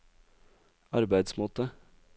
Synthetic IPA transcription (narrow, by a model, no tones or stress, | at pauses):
ɑɾbæɪd̪smoːt̪ə